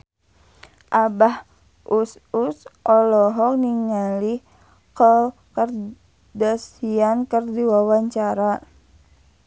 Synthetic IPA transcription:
ʔabah | ʔususʔɔlɔɦɔk̚niŋalih | kəkər | dasiankərdiwawaɲt͡ʃaɾa

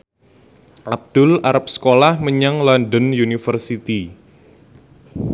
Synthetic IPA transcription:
ʔab̚d̪̥ʊlaɾap̚sə̥kolahməɲaŋlɔndənjunifərsit̪i

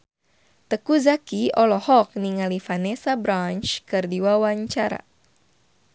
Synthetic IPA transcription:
t̪əkuzakiɔlɔhɔk̚niŋalifanɛsabɾant͡ʃkɨrdiwawaɲt͡ʃaɾa̰

